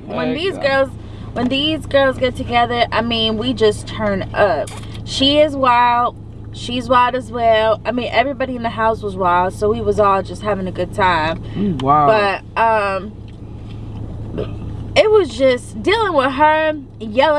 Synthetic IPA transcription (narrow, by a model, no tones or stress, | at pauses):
wə̃nðizɡɜ˞lˠz | wə̃nðizɡɜ˞lˠzɡɛtʰɨɡɛðə˞ʔaɪmĩnwid͡ʒʌstʰɜ̃˞nʌp̚ | ʃiɪzwaɪlˠd̥̚ | ʃizwaɪlˠɾɨzwɛlˠaɪmĩnʔɛvɹibɑɾiɨ̃nðɨɦaʊswʌzwaɪlˠd̥soʊwiwʌzɔlˠd͡ʒʌst̚hævɪ̃ŋɨɡʊd̚tʰãɪ̃mb̥ʌɾ̚ʌ̃m | ɪt̚wʌzd͡ʒʌsd̥ilˠɪ̃ŋwɪð̥ə˞ | jɛlˠ